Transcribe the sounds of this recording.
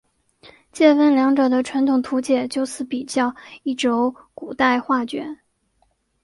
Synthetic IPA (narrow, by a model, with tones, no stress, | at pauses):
t͡ɕjɛ˥˧fə˥nljɑ˧˥ŋʈ͡ʂɤ˨˩d̪ə˦ʈ͡ʂʰwa˧˥nt̪ʰʊ˨˩ŋt̪ʰu˧˥t͡ɕjɛ˨˩t͡ɕjo˥˧ʊsɹ̩˧˥pi˨˩t͡ɕjɑ˥˧ʊi˥˩ʈ͡ʂo˧˥ʊku˨˩t̪a˥˧ɪxwa˥˩t͡ɕɥɛ̰˧˥